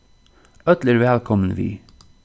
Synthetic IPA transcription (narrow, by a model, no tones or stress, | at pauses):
œt̪lɪɾʋɛːlkʰɔmən̩ʋḭː